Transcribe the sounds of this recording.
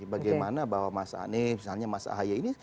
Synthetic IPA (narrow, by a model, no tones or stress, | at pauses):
baɡajmanabawamasa̰a̰nimisalɲamasa̰ɦajaini